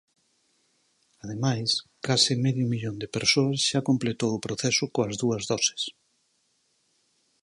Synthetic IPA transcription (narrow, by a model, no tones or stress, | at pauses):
að̞emajskasɪmɛðjumiʎond̪epeɾsoɐsʃakomplet̪owʊpɾoθɛsʊkoɐzðuɐzðɔsɪ̥s